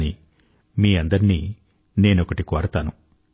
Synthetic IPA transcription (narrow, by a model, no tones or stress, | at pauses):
ni | miːɐnd̪ɐɾiniː | ne̞ːnokɐʈikoːɾɐt̪aːnu